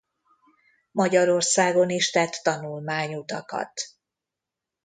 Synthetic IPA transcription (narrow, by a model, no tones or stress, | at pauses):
mɒɟɒɾo̞rsaːɡo̞niʃt̪ɛt̪ːɒnulmaːɲut̪ɒkɒ̰t̪